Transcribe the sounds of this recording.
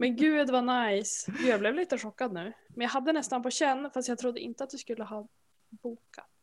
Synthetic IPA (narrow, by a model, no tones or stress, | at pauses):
mɛnɡʉ̟ːd̪vanajsjablɛvliːt̪əɧɔkːad̪nʉ̟ːmɛnjaɦad̪ːənɛst̪anpʰɔɕɛnːfast̪jaɡt̪ʰɾʊd̪ːəʔɪ̰nt̪əat̪̚d̪ɵskɵlːəɦɑː | buːkʰat̪